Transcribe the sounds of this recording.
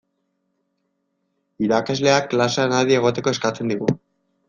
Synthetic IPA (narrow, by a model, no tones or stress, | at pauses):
iɾakazle̞aklasanaðie̞ɣ̞o̞t̪e̞ko̞e̞skat͡se̞nd̪iɣ̞u